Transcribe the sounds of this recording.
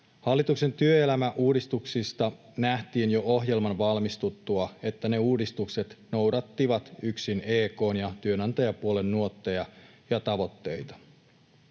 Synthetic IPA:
hɑlːit̪ukse̞nt̪yøelæmæʔuːdist̪uksist̪ɑ | næht̪iːnjo̞ʔoɦje̞lmɑnʋɑlmist̪ut̪ːuɑe̞t̪ːæne̞uːdist̪ukse̞t̪no̞wdɑt̪ːiʋɑt̪yksine̞ːko̞ːnjɑt̪yønɑnt̪ɑjɑpuole̞nːuot̪ːejɑ | jɑt̪ɑʋo̞t̪ːe̞jt̪ɑ̥

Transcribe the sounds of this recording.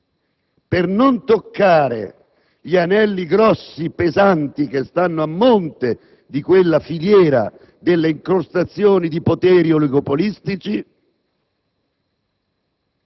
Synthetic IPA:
pernont̪okːaːɾḛ | ʎianɛlːiɡɾɔsːipezant̪ik̟est̪anːoamːont̪e | d̪ikwelːafiʎjɛːɾa̰ | d̪elːeiŋkɾost̪at̪sːjoːnid̪ipot̪ɛːɾiɔliɡopolist̪it͡ʃi

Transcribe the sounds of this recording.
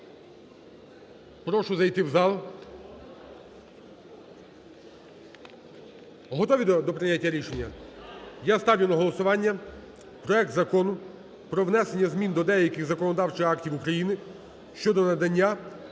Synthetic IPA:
pɾɔʃʊzɐjt̪ɪwzɑlˠ | ɦɔt̪ɔʋʲiɔd̪ɔpɾɪjatʲːɐɾʲiʃenʲːɐ | jast̪ɑwʲjʲɪnɐɦɔlˠɔsʊʋɑnʲːɐ | pɾɔɛk̚t̪zɐkɔnʊ | pɾɔʋnɛsenʲːɐzmʲind̪ɔd̪ɛjɐkɪɣzɐkɔnɔd̪ɑwt͡ʃɪxɑktʲiwukɾɐjinɪ | ʃt͡ʃɔd̪ɔnɐd̪ɐnʲːa

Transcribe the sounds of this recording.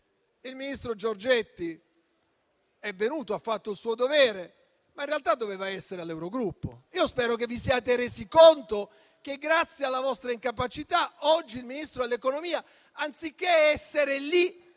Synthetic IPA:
ilminist̪ɾod͡ʒord͡ʒet̪ːi | ɛvenuːt̪oafːat̪ːoilsuːod̪ovɛːɾe | mainrealt̪ad̪ːoveːvaɛsːeɾealːɛwɾoɡɾupːoiːospɛːɾok̬evːisiaːt̪eɾeːzikont̪o | k̟eɡɾat̪sːjealːavɔst̪ɾaiŋkapat͡ʃit̪aɔd͡ʒːilminist̪ɾoɛlːekonomiːa | ant̪sik̟ːeɛɛsːeɾeli

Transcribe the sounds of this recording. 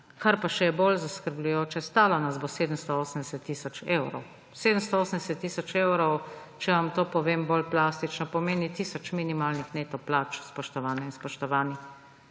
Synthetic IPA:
kaɾpaʃɛjɛbolzaskəɾblujoːt͡ʃɛst̪aːlɔnazboseːd̪əmst̪ɔoːsən̩d̪ɛsɛt̪ːiːsɔt͡ʃewɾɔ̰w | seːd̪əmst̪ɔoːsənd̪ɛsɛt̪ːiːsɔt͡ʃeːwɾɔw | t͡ʃɛʋamt̪oːpɔʋeːmbolplaːst̪it͡ʃnɔpɔmeːnit̪isɔt͡ʃminimalnixneːt̪ɔplaːt͡ʃspɔʃt̪ɔʋaːnɛinspɔʃt̪ɔʋaːnix

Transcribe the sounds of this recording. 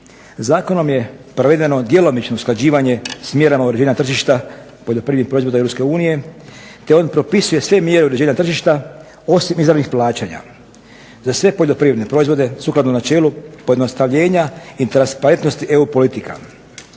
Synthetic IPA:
zaːko̞no̞mje̞pɾoʋe̞d̪e̞no̞d̪je̞lo̞mit͡ʃnousklˠad͡ʑiːʋaɲe̞smje̞ɾamauɾe̞d͡ʑeːɲat̪r̩ʒiʃt̪a | po̞ʎʲo̞pɾiɾnixpɾo̞izʋod̪eɾopske̞uːnije̞ | t̪e̞o̞ːnpɾo̞pisuje̞sʋe̞mje̞ɾeuɾe̞d͡ʑeːɲat̪r̩ʒiʃt̪a | o̞simizɾanixplaːt͡ɕaɲa̰ | zasʋe̞po̞ʎo̞pɾiʋed̪nepɾo̞izʋo̞d̪e̞suklˠad̪nonat͡ʃe̞ːlupojd̪no̞st̪aʋʎe̞ːɲait̪ɾanspaɾe̞nt̪nost̪iʔe̞upo̞lit̪ika̰

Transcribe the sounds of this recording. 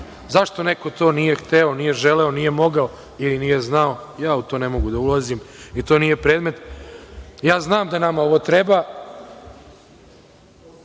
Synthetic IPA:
zaʃt̪o̞ne̞ko̞t̪o̞ːnije̞xt̪eo̞nije̞ʒeleonije̞mo̞ɡao | ilinije̞znaojaːut̪o̞ːne̞mo̞ɡud̪aulˠazimit̪o̞ːnije̞pɾeːd̪me̞t̪ | jaːznaːmd̪anamao̞ʋot̪ɾeba

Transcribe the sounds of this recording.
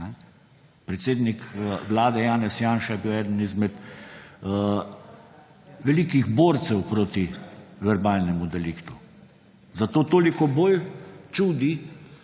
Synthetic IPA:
nɛ | pɾɛt̪seːd̪nikʋlaːd̪ɛjaːnɛsjaːnʃajɛbiwɛːd̪ənizmɛt̪ː | ʋɛliːkiɣboːɾt̪sɛwpɾoːt̪iʋɛɾbaːlnɛmud̪ɛlikt̪u | zat̪oːt̪oːlikɔboːlt͡ʃuːd̪i

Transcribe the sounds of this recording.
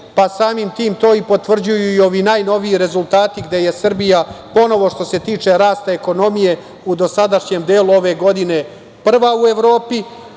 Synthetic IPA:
pasaːmimt̪iːmt̪o̞ːipo̞t̪ʋr̩d͡ʑujuio̞ʋiːnaːjno̞ʋijiɾe̞zulˠt̪aːt̪iɡd̪e̞je̞sr̩bijapo̞no̞ʋo̞ʃt̪o̞se̞t̪iːt͡ʂe̞ɾaːst̪aeko̞no̞mije̞ | ud̪o̞sad̪aʃɲemd̪eːluo̞ʋe̞ɡo̞d̪ine̞ | pr̩ʋaue̞ʋɾo̞ːpi

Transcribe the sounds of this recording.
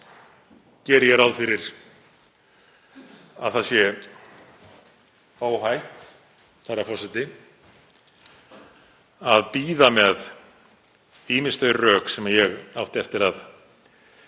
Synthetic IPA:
cɛːɾjɛɾawðfɪɾɪɾ̥ | aðθasjɛ | oːwɦajht̪ | θɛrːafɔsɪt̪ɪ | aðpiːðamɛð | iːmɪnst̪œɥɾrœːksɛmajɛɣawht̪ɛft̪ɪɾað

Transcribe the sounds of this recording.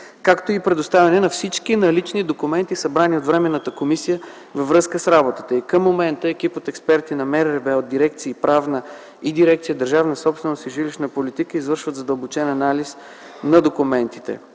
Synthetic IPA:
kakt̪oipɾɛd̪ʊst̪avʲɛnɛnɐfsit͡ʃkinɐlit͡ʃnid̪okʊmɛnt̪isɐbɾaniot̪vɾɛmɛnːət̪əkomisijə | vɐvɾɤskəsɾabot̪ə̥t̪əikəmːomɛnt̪əɛkʲipot̪ɛkspɛɾt̪inɐmɛɾɾɛbɛod̪̚d̪iɾɛk̚t̪siːpɾavnə | id̪iɾɛkt̪sijəd̪əɾʒavnəsɔpst̪vɛnost̪iʒiliʃnəpolit̪ikəizvɤɾʃvət̪zɐd̪əlˠbot͡ʃɛnɐnalis | nɐd̪okumɛnt̪i̥t̪ɛ̰

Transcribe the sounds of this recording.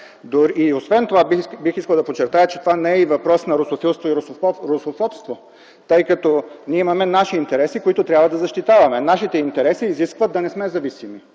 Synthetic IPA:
d̪oɾiiosvɛnt̪ovabbixiskəlˠd̪ɐpot͡ʃːɛɾt̪ajət͡ʃɛ̥t̪ovanɛɛivɐpɾɔsnɐɾosofilˠst̪voiɾoɾosofɔpst̪vo | t̪ɤjkɐt̪ɔnʲiɛimɐmɛnaʃiːnt̪ɛɾɛsikoit̪ʊt̪ɾjabvɐd̪ɐzɐʃt̪it̪avɐmɛnaʃit̪ɛint̪ɛɾɛsiːziskvət̪̚d̪ɐnɛsmɛzɐvisimi

